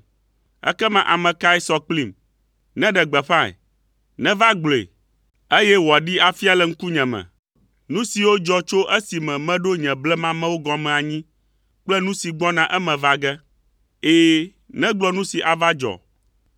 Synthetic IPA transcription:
ɛ̰˦kɛ˦mã˨ʔa˨mɛ̃˨ka˦ɛ˦sɔ˨k͡pli˨m | nɛ̃˦ɖɛ˨ɡ͡bɛ˨ɸã˦ɛ̰˨ | nɛ̃˦va˦ɡ͡blḛ˨ | e˦jɛ˦wɔ˨ɖi˦a˨fi˦a˦˨lɛ˨ŋ̩˦ku˦ɲɛ̃˨mɛ̰̃˨ | nũ˦si˨wo˦d͡ʒɔ˦t͡ʃo˦ʔe˦si˨mɛ̃˨mɛ̃˦ɖo˦ɲɛ̃˨blɛ˦mã˦mɛ̃˦wo˦ɡɔ̃˨mɛ̃˨a˨ɲĩ˦ | k͡plɛ˦nũ˦si˨ɡ͡bɔ˦nã˨ʔɛ˦mɛ̃˨va˦ɡɛ˦ | eː˨ | nɛ̃˦ɡ͡blɔ˦nũ˦si˨ʔa˨va˦d͡ʒɔ̰˨

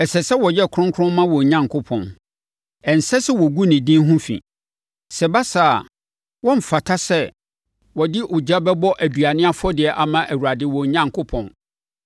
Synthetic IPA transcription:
ɛ˨sɛ˨sɛ˦wɔ˨jɛ˦˨kʰʊ˦ɾʊ̃˦ŋkʰʊ˦ɾʊ̃˦mmːã˦wɔ̃˨ɲã˦ŋ˨kʰʊ˦pʰɔ̰̃˨n | ɛ˨n̩˨sɛ˦sɛ˦wɔ˨ɡu˦nɪ̃˨dĩ˦n˦ɦũ˦fḭ̃˨ | sɛ˨ba˦saː˨a˨ | wɔ̃˦m̩˨fa˨tʰa˦sɛ˦ | wɔ˨dɪ˦ʔʊ˨d͡ʑa˦bɛ˦bɔ˦ʔæ˨du˨a˨nɪ̃˦a˦fɔ˦dɪ˨ɛ˨ʔa˨mã˦ʔæ˨wu˨ɾa˨dɪ˦wɔ̃˨ɲã˦ŋkʰʊ˦pʰɔ̃˨n

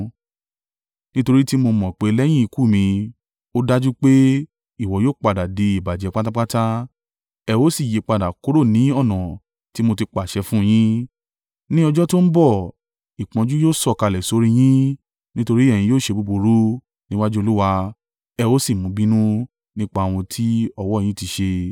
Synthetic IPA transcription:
nĩ˦to˧ɾi˦ti˦mo˧mɔ̃˨k͡pe˨˦lɛ˦j̃ĩ˦i˧ku˦˨mĩ˧ | o˦da˦d͡ʒu˦k͡pe˦ | i˦˨wɔ˨˦joː˦˨k͡pa˨da˨de˨˦i˦˨ba˨d͡ʒɛ˨˧k͡pa˦ta˦k͡pa˦ta˦ | ɛ˧wo˦si˦˨je˨˦k͡pa˧˨da˨ko˨˦ɾo˦˨nĩ˨˦ɔ˦˨nɔ̃˨ | ti˦mo˧ti˧k͡pa˨ʃɛ˧˦fũ˦˧j̃ĩ˦ | nĩ˦ɔ˧d͡ʒɔ˦to˦n̩˦bɔ˦˨ | i˨k͡pɔ̃˧d͡ʒu˦joː˦˨sɔ˦˨ka˧lɛ˨so˨˧˦ɾĩ˦j̃ĩ˦ | nĩ˦to˧ɾi˦ɛ˦˨j̃ĩ˧joː˦˨ʃe˧bu˧bo˧ɾo˦ | nĩ˦wa˦d͡ʒu˦o˧lu˦wa˧ | ɛ˧wo˦si˦˨mũ˨˦bi˦nũ˦ | nĩ˦k͡pa˦˨w̃ɔ̃˧tʰi˦ɔ˧wɔ˦˨j̃ĩ˦ti˧ʃe˧

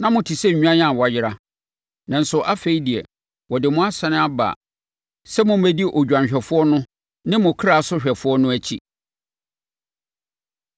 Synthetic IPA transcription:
nã˦mʊ̃˨tʰi˨sɛ˦ɲ˨ɲᶣu˦ã˦jã˦˨wɔ˨jɪ˦ɾa˦ | nã˨n̩˨sʊ˨ʔa˦fe˦i˦di˨ɛ̰˨ | wɔ˨dɪ˨mʊ̃˦a˦sɛ˨nɪ̃˦a˦ba̰ː˨ | sɛ˦mʊ̃˦m˦æ˦di˦ʔɔ˨d͡ʑᶣã˨ɲ˨ɕᶣɛ˨fʊ˦ɔ˦nʊ̃˦ | nɪ̃˦mʊ̃˨kʰɾa˨sʊ˦ɕᶣɛ˨fʊ˦ɔ˦nʊ̃˦æ˦t͡ɕʰḭ˦

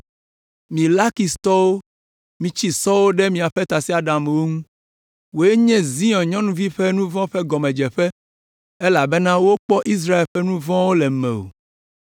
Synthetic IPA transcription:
mĩ˨la˦ki˨st̪ɔ˦wo˦ | mĩ˨t͡ɕi˦sɔ˦wo˦ɖɛ˦mĩ˨a˨ɸɛ˦t̪a˨si˦a˨ɖã˨m˨wo˦ŋũ˦ | wo˨e˦ɲɛ̃˦zĩ˦ɔ̃˨ɲɔ̃˦nũ˦vi˦ɸɛ˦nũ˦vɔ̃˦ɸɛ˦ɡɔ˨mɛ̃˨d͡ʒɛ˨ɸɛ˦ | e˦la˨bɛ˦nã˦wo˦k͡pɔ˦ʔi˦s̬ɾa˦e˨lɸɛ˦nũ˦vɔ̃˦wo˦lɛ˨mɛ̰̃˨o̰˨

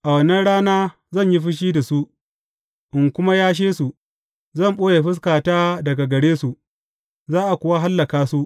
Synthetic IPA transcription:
ʔa˨wɐ˨nɐ˦nɽaː˦naː˦ | zɐ˦˨ɲji˦ɸɪ˦ʃ̬iː˦da˨su˦ | ʔɪ˨ŋkʷʊ˦ma˦jaː˦ʃ̬eː˦su˨ | zɐ˦˨mɓoː˦je˨ɸɪ˦s̬kaː˨taː˦dɐ˨ɡa˨ɡɐ˨ɽeː˦su˨ | zaː˦ʔa˨kʷʊ˨˦wa˦ɦa˦lːɐ˨kaː˦su˦ʔ

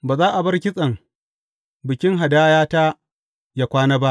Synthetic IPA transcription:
baː˨zaː˦ʔa˨bɐ˦rkʲɪ˦sʼɐ˨ŋ | bɪ˨kʲɪ˦ŋɦa˨daː˦jaː˦ta˦ | jaː˦˨kʷaː˦naː˦ba˦ʔ

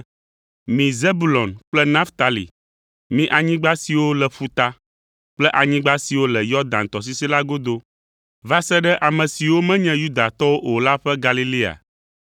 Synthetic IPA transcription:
mĩ˨ze˦bu˨˦lɔ̃˨nk͡plɛ˦nã˦ft̪a˨lḭ˨ | mĩ˦ʔa˨ɲĩ˦ɡ͡ba˦si˨wo˦lɛ˨ɸu˨t̪a˦ | k͡plɛ˦ʔa˨ɲĩ˦ɡ͡ba˦si˨wo˦lɛ˨jɔ˦d̪ã˨nt̪ɔ˨s̬i˦si˦la˦ɡo˦d̪o˦ | va˦sɛ˦ɖɛ˦ʔa˨mɛ̃˨si˨wo˦mɛ̃˦ɲɛ̃˦ju˦d̪a˨t̪ɔ˦wo˦ʔo˨la˦ɸɛ˦ɡa˨li˦li˦a̰˨

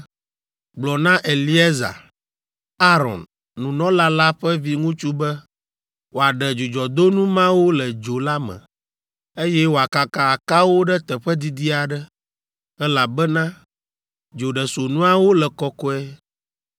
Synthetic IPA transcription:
ɡ͡blɔ˨nã˦ʔe˨li˦e˦za̰˨ | a˦ɾɔ̰̃˨nː | ũ˨nɔ̃˦la˦la˦ɸɛ˦vi˦ŋũ˦t͡ʃu˦bɛ˦ | wo˨a˨ɖɛ˨d͡ʒu˨d͡ʒɔ˨d̪o˦nũ˦mã˦wo˦lɛ˨d͡ʒo˨la˦mɛ̰̃˨ | e˦jɛ˦wo˨a˨ka˨ka˨a˨ka˦wo˦ɖɛ˦t̪ɛ˨ɸɛ˦d̪i˨d̪i˦a˨ɖɛ˦ | ɛ˦la˨bɛ˦nã˦ | d͡ʒo˨ɖɛ˨so˨nũ˦a˦wo˦lɛ˨kɔ˦kɔ˦ɛ˦

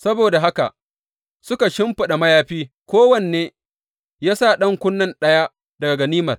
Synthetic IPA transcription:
sɐ˦boː˨da˨ɦa˦ka̰˨ʔ | sʊ˦ka˨ʃɪ˦mɸʊ˨ɗa˨mɐ˦jaː˦ɸiː˦ | kʷoː˦wɐ˦˨nː˨eː˦ | jaː˦sa˦˨ɗɐ˦ŋkʷʊ˦nːɐ˦nɗɐ˦ja˦ | dɐ˨ɡa˨ɡɐ˨niː˦mɐ˨r

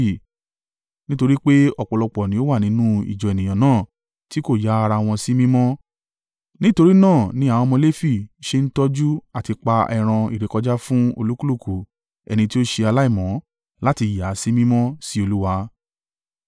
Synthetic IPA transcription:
nĩ˦to˧ɾi˦k͡pe˦ɔ˨k͡pɔ˨lɔ˧k͡pɔ˨nĩ˨˦o˦wa˦˨nĩ˨˦nũ˦ḭ˨d͡ʒɔ˨ɛ˨nĩ˨ã˨nãː˦˨ | ti˦ko˦˨ja˨˦a˧ɾa˧w̃ɔ̃˧si˦mĩ˦mɔ̃˦ | nĩ˦to˧ɾi˦nãː˦˨nĩ˨˦a˨w̃ɔ̃˧mɔ̃˧le˦fi˦˨ʃe˧n̩˦tɔ˦d͡ʒu˦a˨ti˧k͡pa˧ɛ̰˧ɾ̃ã˧i˨ɾe˨kɔ˧d͡ʒa˦fũ˦o̰˧lu˦ku˦lu˦˨ku˨ | ɛ̰˨nĩ˧ti˦o˦ʃe˧a˧la˦i˦˨mɔ̃˨˦ | la˦ti˧ja˨˦si˦mĩ˦mɔ̃˦si˦o˧lu˦wa˧

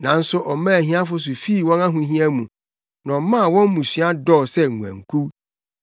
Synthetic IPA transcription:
nã˨n̩˦sʊ˦ʔɔ˨mãː˦˨ɦĩ˦a˦fʊ˦s̬ʊ˨fi˦˨wɔ̃˦nã˦ɦũ˨ɦĩ˦æ̃˦mũ˨ | nã˨mã˦˨wɔ̃˦m˦mũ˨sɥa˦dɔ˦˨sɛ˦ŋũ˨æ̰̃˨ŋ̩˨kʰu˦

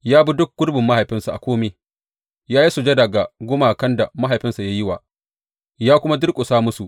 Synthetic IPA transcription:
jaː˦bu˦dʊ˦k̚ɡ̥ʊ˦ɽbɪ˨mːa˦ha˨jɸɪ˦nsa˨ʔa˨kʷoː˦meː˦ | jaː˦ji˦su˨d͡ʒe˦dɐ˨ɡa˨ɡʷʊ˦maː˨kɐ˦nda˨ma˦ɦa˨jɸɪ˦nsa˨ja˦jɪ˦waː˨ | jaː˦kʷʊ˦ma˦dʊ˦rkʼʊ˨saː˦mʊ˦su˨ʔ

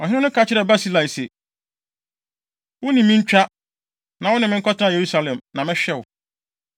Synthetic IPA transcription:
ɔ˨ɦɪ̃˦ʊ̃˦nʊ̃˦kʰa˦t͡ɕʰɪ˦ɾɛ˨ba˦si˦la˨i˨sɛ˨ | wʊ˦nĩ˨mɪ̃˦ɲ̩˦t͡ɕᶣa˦ | nã˨wʊ˦nɪ̃˨mɪ̃˦kʰɔ˦tʰɪ˦ã˦˨je˨ɾu˦sa˦lɛ̃˨mnã˨mɪ̃˦ɕᶣɛ˦wʊ˨

